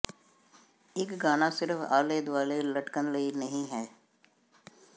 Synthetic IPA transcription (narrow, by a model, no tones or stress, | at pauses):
ɪkɡaːnasɪɾəfaːleːd̪ʋaːlelɐʈkənləinɐɦĩɦɛː